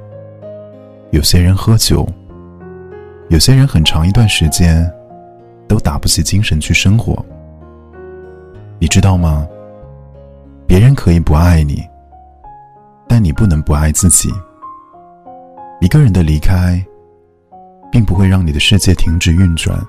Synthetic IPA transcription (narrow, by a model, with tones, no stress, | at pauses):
jo˨˩ʊɕjɛ˥ɻə˧˥nxɤ˧˥t͡ɕjo̰˨˧˥ʊ | jo˨˩ʊɕjɛ˥ɻə˧˥nxə˨˩nʈ͡ʂʰɑ˧˥ŋi˧t̪wa˥˩nʂɻ̩˧˥t͡ɕjɛ˥n | t̪o˥ʊt̪a˨˩pu˥˩t͡ɕʰi˨˩t͡ɕi˥ŋʂə˧˥nt͡ɕʰy˥˩ʂɤ˥ŋxwɔ̰˧˥ | ni˨˩ʈ͡ʂɻ̩˥t̪ɑ˥˩ʊmɐ˩ | pjɛ˧˥ɻə˧˥nkʰɤ˧˥i˨˩pu˧˥a˥˩ɪnḭ˨˩˦ | t̪a˥˩nni˨˩pu˥˩nɤ˧˥ŋpu˧˥a˥˧ɪt͡sɹ̩˥˩t͡ɕḭ˨˩˦ | i˧˥ɡə˧ɻə˧˥nd̪ə˧li˧˥kʰa˥ɪ | pi˥˩ŋpu˧˥xwe˥˧ɪɻɑ˥˩ŋni˨˩d̪ə˦ʂɻ̩˥˧t͡ɕjɛ˥˩t̪ʰi˧˥ŋʈ͡ʂɻ̩˥˩y˥˧nt͡swa̰˨˩˦n